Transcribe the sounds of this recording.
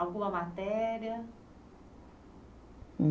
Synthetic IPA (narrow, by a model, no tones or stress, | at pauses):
awkulɐmat̪ɛɾiɐ